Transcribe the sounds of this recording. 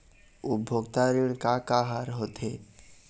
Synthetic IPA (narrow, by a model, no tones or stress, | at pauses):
ubʱːoɡ̚t̪aɾilkakaɦaɾɦot̪ʰe